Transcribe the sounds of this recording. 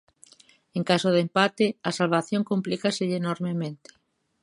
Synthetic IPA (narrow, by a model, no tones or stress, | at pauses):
eŋkasoð̞empat̪eɐsalβ̞aθjoŋkomplikaseʎenoɾmemẽnt̪ɪ̥